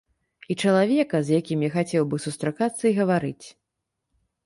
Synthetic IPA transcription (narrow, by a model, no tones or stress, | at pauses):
it͡ʂɐlˠavʲɛkɐzjakʲimjaxat͡sʲɛwbɨsust̪ɾakat̪sːɐiɣɐvaɾɨt͡sʲ